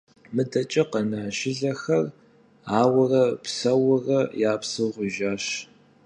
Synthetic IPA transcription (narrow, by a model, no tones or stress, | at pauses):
mɨdɐt͡ʃʼɐqɐnaːʃɪɮɐxɐr | aːwɐrɐpsɐwʊrɐjaːpsɨʁʷʊʒaːɕ